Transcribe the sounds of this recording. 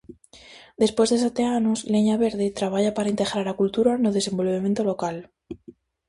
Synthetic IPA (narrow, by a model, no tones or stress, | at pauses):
d̪e̞spwe̞zðesat̪e̞anozle̞ɲaβe̞ɾðet̪ɾaβ̞aʝapaɾaint̪e̞ɣɾaɾakult̪uɾanoðe̞se̞mbo̞lβemje̞nt̪o̞lo̞kal